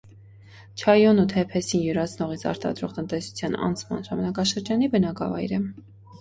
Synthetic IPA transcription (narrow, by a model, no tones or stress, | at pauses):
t͡ʃʰɑjɔnut̪ʰɛpʰɛsinjuɾɑt͡sʰnɔʁit͡sʰɑ̰ɾt̪ɑ̰d̪ɾɔʁt̪ənt̪ɛsu̥t͡sʰjɑnɑ̰nt͡sʰmɑ̰nʒɑmɑnɑkɑʃəɾd͡ʒɑnibənɑkɑ̰vɑ̰jɾə